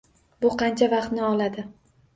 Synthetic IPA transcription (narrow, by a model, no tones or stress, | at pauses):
bʊqʰɑnt͡ʃʰavɑqt̪nɪɒlˠad̪ɪ